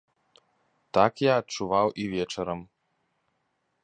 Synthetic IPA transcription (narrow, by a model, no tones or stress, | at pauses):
t̪akjaːt̚t͡ʃuʋawʔivʲɛt͡ʃɛɾəm